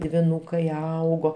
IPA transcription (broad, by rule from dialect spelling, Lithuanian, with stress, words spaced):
dʲʋʲɪˈnuːkɐɪ ˈɐʊɡoː